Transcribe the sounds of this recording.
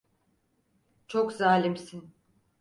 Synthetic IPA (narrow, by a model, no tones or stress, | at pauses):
t͡ʃʰokzaːlʲimsin